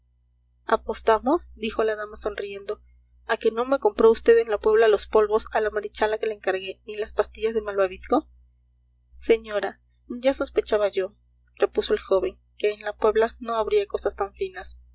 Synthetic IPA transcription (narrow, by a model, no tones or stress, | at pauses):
apo̞st̪amo̞sd̪ixo̞laðamaso̞nrie̞nd̪o̞ | ake̞no̞me̞ko̞mpɾo̞ust̪e̞ðe̞nlapwe̞β̞lalo̞spo̞lβo̞salamaɾit͡ʃalake̞laeŋkaɾɣenilaspast̪iʝazðe̞malβaβisko̞ | se̞ɲo̞ɾa | ɟ͡ʝaso̞spe̞t͡ʃaβaʝo̞ | re̞puso̞e̞lxo̞βe̞ŋ | ke̞ːnlapwe̞βlano̞aβɾiako̞sast̪aɱfinas